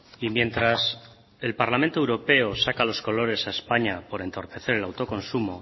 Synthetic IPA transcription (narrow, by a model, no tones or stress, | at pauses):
imjẽ̞nt̪ɾas | e̞lpaɾlament̪oewɾo̞pe̞o̞sakalo̞sko̞lo̞ɾe̞saespaɲapo̞ɾe̞nt̪o̞ɾpe̞θe̞ɾe̞lawt̪o̞ko̞nsumo̞